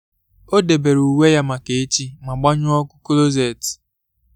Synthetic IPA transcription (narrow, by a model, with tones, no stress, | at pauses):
o˦de˨be˨ɾu˨we˦ja˦ma˨ke˨e˦t͡ʃi˦ma˨ɡ͡ba˦ɲʊ˦ɔ˦kʊ˦klo˦ze˦˨t